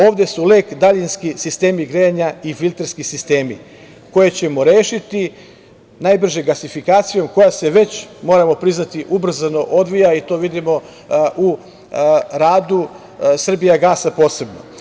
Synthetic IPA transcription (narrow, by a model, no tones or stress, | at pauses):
o̞ːʋd̪e̞suleːkd̪aʎinskisist̪e̞ːmiɡɾeɲaifilʲˠt̪eɾskisist̪e̞ːmi | ko̞je̞t͡ɕe̞mo̞ɾeːʃit̪i | najbr̩ʒeɡasifikaːt̪sijo̞mko̞jase̞ʋe̞t͡ɕmo̞ːɾamo̞pɾiznat̪iʔubr̩zano̞ʔo̞d̪ʋijait̪o̞ːʋid̪imo̞ | ʔu | ɾaːd̪u | sr̩bijaɡaːsapo̞ːse̞bno̞̰